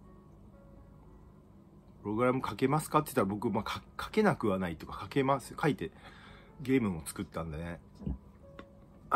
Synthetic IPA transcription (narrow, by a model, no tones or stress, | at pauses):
pɯ̟ɾo̞ɡɯ̟ɾamɯ̟kake̞masɨ̥kat̪ːe̥t̪ːaɾabo̞kɯ̟maːkakʰḁke̞nakɯ̟βanait̪ːo̞kḁkake̞masɨ̥kʰait̪e̞ | ɡʲe̞ːmɯ̟̃ot͡sɨ̥kɯ̟t̪ːãnd̪ane